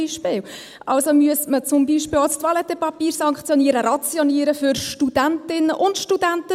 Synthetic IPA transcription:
iʃpɪːw | ʔɑlsomyəsmət͡sʊmbiːʃpɪːlastʋɑlɛt̪ɛpɑpiːɾsɑŋkχt͡sjɔniəɾəɾɑt͡sjɔniəɾəfʏɾʃtud̥æntɪnːəʔʊntʃtud̥æntə

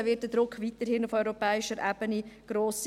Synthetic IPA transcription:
ʋɪt̚dəd̥ɾʊkʰːʋitəɾhɪnufœʏɾɔpɛːɪʃəɾʔɛb̥əniɡ̥ɾoːs

